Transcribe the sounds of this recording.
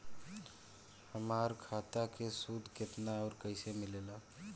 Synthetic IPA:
həmaːɾkʰat̪akesud̪ʱket̪naɔːɾkəɪsemɪleːla

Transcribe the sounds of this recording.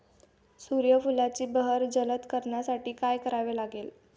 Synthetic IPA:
suɾjəfulat͡ɕiːbəɦəɾd͡zələt̪kəɾɳjasaʈiːkajkəɾaʋelaɡel

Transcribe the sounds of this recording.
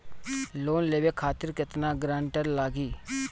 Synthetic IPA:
loːnleːʋeːkʰaːt̪əɾkɪt̪naːɡɾãːɳʈəɾlaːɡiː

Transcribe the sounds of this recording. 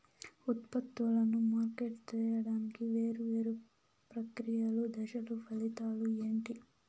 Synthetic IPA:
ut̪pɐt̪ʋulɐnumaːɾkeʈt͡ʃɛːjɐɽaːnikiʋe̞ːɾuʋe̞ːɾu | pɾɐkɾijɐlud̪ɐʃɐlupʰɐlit̪aːlue̞ːɳʈi

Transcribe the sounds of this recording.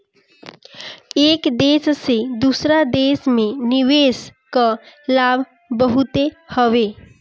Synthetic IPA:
ekd̪essed̪usɾad̪esmeniʋeskəlabʱ | bəɦut̪e | həʋe

